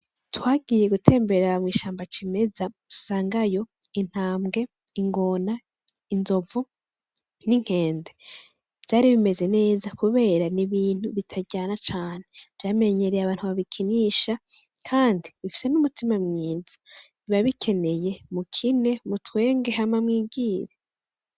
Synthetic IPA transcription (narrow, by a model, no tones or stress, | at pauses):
twaːɡije̞ɡutʰe̞ːmbe̞ɾamwiːʃaːmbat͡ʃime̞zatu̥saːŋɡajo̞in̥haːmɡe̞ | iŋɡo̞na | inzo̞vu | niŋ̥he̞ːnde̞ | v̥jaːɾiβime̞ze̞ne̞ːzakuβe̞ːɾaniβiːn̥huβitʰaɟaːnat͡ʃaːne̞v̥jaːme̞ɲe̞ɾejaβaːn̥huβaβikʰiniʃa | kʰaːndiβifi̥se̞numutimamŋiːzḁ | iβaβikʰe̞ne̞je̞mukʰine̞mutwe̞ːŋɡe̞ɦamamŋiːɡiːɾe